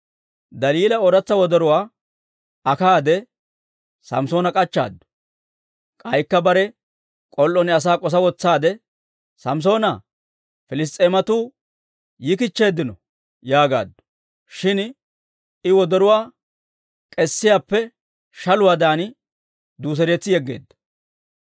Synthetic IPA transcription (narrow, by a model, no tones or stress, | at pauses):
d̪ɐliːlɐɔɾɐt͡sːɐwɔd̪ɔɾʊwaː | ɐkaːd̪ɛ | sɐ̰mso̞ːnɐkʼɐt͡ʃːa̰ːd̪ːʊ̥ | kʼɐjkːɐbɐɾɛ | kʼɔlːɔnɪɐs̬aːkʼɔs̬ɐwɔt͡sːaːd̪ɛ | sɐms̬o̞ːnɐ | fɪlɪs̬t̪ʼːeːmɐt̪uː | jɪk̬ɪt͡ʃːe̞ːd̪ːɪnɔ | jaːɡa̰ːd̪ːʊ̥ | ʃɪn | ɪwɔd̪ɔɾʊwaː | kʼɛsːɪjaːpːɛ | ʃɐlʊwaːd̪aːn | d̪uːs̬ɛɾeːt͡sːɪjɛɡːḛːd̪ːɐ̥